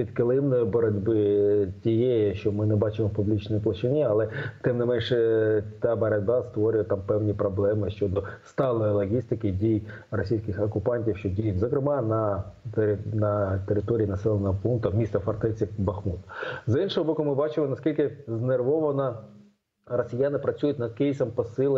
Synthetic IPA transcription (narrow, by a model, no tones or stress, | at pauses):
pʲid̪kɪlˠɪmnɔjibɔɾɐdʲbɪtʲijɛjʃt͡ʃɔmɪnɛbɑt͡ʃɪmɔpublʲit͡ʃnɔjiplˠɐt͡ʃɪnʲiɐlˠɛt̪ɛmnɪmɛnʃt̪ɑbɐɾɐd̚ʲbɑst̪ʋɔɾʲʊjɛt̪ɑmpɛwnʲipɾɔblˠɛmɪʃt͡ʃɔd̪ɔst̪ɑlˠɔjilˠɔɦʲist̪ɪkɪdʲijrɔsʲijsʲkɪxɐkʊpɑnʲtʲiwʃt͡ʃɔdʲijʊtʲzɔkɾɪmɑnɐ | nɐt̪eɾɪt̪ɔɾʲiinɐsɛlˠenɐɦɔpunk̚t̪ɐmʲist̪ɐfɐrt̪ɛt͡sʲibɐxmut̪ɐ̥zɪnʃɔɦɔbɔkʊmɪbɑt͡ʃɪmɔnɐskʲilʲkɪznerʋɔʋɐnɔ | rɔsʲɪjanɪpɾɐt͡sʲujʊtʲnɐd̪̚kɪjisɐmpɔsɪlˠe